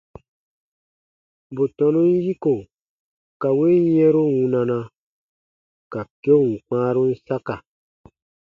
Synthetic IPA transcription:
bo˨tɔ̃˨nũ˦n˦ji˦ko˨ | ka˨we˦jɛ̃˦ɾo˦wũ˨nã˨nã˧ | ka˨ke˦o˦˨wũ˨k͡pãː˦ɾu˦n̩˦sa˦ka˨

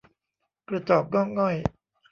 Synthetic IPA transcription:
kɾa˧t͡ɕɔː˨˩p̚ɡɔː˥˩ŋŋɔ˥˩j

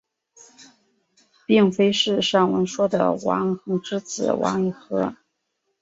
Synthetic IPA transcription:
pi˥˩ŋfe˥ɪʂɻ̩˥˧ʂɑ˥˩ŋwə˧˥nʂwɔ˥d̪ə̰˨˩wɑ̰˧˥ŋxɤ˧˥ŋʈ͡ʂɻ̩˥t͡sɹ̩˨˩wʔɑ̰˧˥ŋi˧˩xɤ˧˥

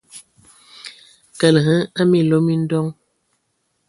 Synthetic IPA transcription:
kə˨lɦə˦a˦mi˦˨lo˦mi˦n̩˦dɔ˦ŋ

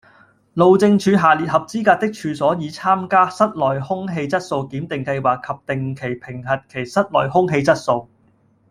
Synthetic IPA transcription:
lo˨˧wt͡sɪ˧ŋt͡ʃʰyː˨˧ɦaː˨liː˨t̚hɐ˨p̚t͡siː˥kaː˧t̚t̪ɪ˥k̚t͡ʃʰyː˨˧sɔː˨˥jiː˨˧t͡sʰaː˥mkaː˥sɐ˥t̚lɔː˨jhʊ˥ŋɦe˧jt͡sɐ˥t̚so˧wkiː˨˥mt̪ɪ˨ŋkɐ˧jwaː˨˩kʰɐ˨p̚t̪ɪ˨ŋkʰe˨˩jpʰɪ˨˩ŋɦɐ˨t̚kʰe˨˩jsɐ˥t̚lɔ̰ː˨˩jhʊ˥ŋɦe˧jt͡sɐ˥t̚so˧w

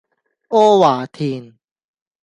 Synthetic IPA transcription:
ʔo˦waː˨˩t̪ʰi˧˩n

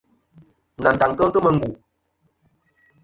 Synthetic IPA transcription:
na˨n̩˨ta˨ŋ˨kə˦ŋ˦kə˦mə˨ŋ˦ɡu˨

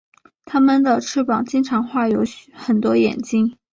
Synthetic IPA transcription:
t̪ʰa˥mə˨nd̪ə˨˩ʈ͡ʂʰɻ̩˥pɑ˨˩ŋt͡ɕi˥nʈ͡ʂʰɑ˧˥ŋxwa˥˩jo˧˥ʊɕxə˨˩nt̪wɔ˥jɛ̰˨˩nt͡ɕi˥ŋ

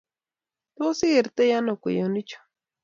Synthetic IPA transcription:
twɔ˦si˦e˨ɾt̪ɛ˦ja˦no˨kḛ˨jo˨ni˦t͡ʃo̥˨

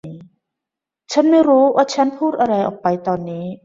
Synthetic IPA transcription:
i˨˦ | t͡ɕʰə˧˦˥nme˧˥ɾuː˦˥wʔa˧t͡ɕʰə˧˦˥npʰuː˥t̪̚ʔa˧ɾa˧jʔɔ̰˨˩k̚pːa˨˧jt̪ɔː˧nːiː˨˦

